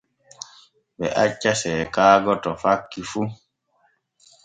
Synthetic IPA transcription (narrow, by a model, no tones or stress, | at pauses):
bɛ̰ʔat͡ʃːasɛkaːɡɔtɔfakːifu